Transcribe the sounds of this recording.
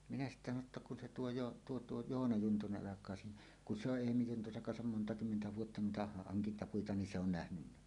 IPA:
minæ sitːæ sɑno tːɑ kun se tuo joː tuo tuo joːnɑ juntuneʔ ʔɑlɑkˑɑː siːnæ kun se oʔ ʔeːmi juntuseŋ kɑnsɑm montɑ kymːentæ ʋuotːɑ nuitɑ hɑŋkintɑpuitɑ ni se on næhnynːæ

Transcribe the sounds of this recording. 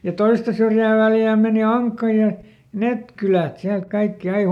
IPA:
jɑ toistɑ syrjæː ʋæljæː meˑni ɑŋkːɑ jɑ net kylæt siælt kɑikːi ɑi

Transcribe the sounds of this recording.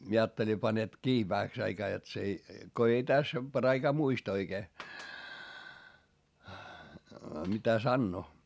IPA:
mie ɑːtːeli pɑnet kiː ʋæhæks ɑikɑː jot s ei ko ei tæs pɑ̆rɑikɑː muist oikeː mitæ sɑnːoː

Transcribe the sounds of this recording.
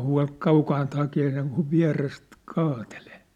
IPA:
huɑ̝l kɑukɑːnt hɑkeː seŋkuʋ ʋiæ̝rest kɑːteleː

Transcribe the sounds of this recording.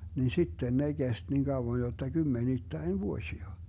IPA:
nin̞ sitːen ne ɡ̊est niːn ɡ̊ɑuwon jotːɑ ɡ̊ymːenitːæin ʋuosʲiɑ

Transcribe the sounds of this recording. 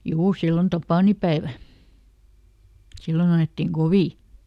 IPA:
juː silːon tɑpɑˑnipæeʋæ silːon ɑetːiŋ ɡ̊oʋiˑ

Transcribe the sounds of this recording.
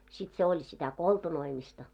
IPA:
sit se olʲ sitæ koltunoimistɑ

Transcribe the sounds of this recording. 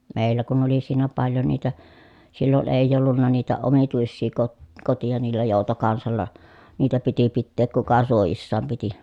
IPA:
meˑilːæ kun oli siːnæ pɑljo niːtæ silːon eˑi̯j olːunːɑ niːtæ omituisːiː kot kotijɑ niːlːæ joˑutokɑnsɑlːɑ niːtæ piti pitːeːk kukɑ suojisːɑːm piti

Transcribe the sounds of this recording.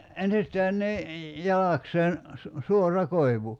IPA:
ensistæːn ni jɑlɑkseːn su suorˑɑ koiʋu

